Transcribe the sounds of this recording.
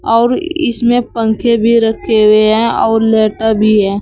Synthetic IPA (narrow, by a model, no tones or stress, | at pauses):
ɔːɾɪ̰smẽpə̃ŋkʰebʱiɾəkʰːeɦʊeɦɛ̃ɔːɾlɛːʈəbʱiɦɛ̃ː